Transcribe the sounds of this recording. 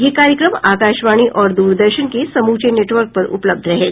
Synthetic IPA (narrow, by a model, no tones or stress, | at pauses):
jekaɾjəkɾəmakaɕʋaɽ̃iːʔɔɾd̪uːɾd̪əɾɕənkesəmut͡ɕeneʈʋəɾk̚pəɾṵpləb̚d̪ʱɾəɦel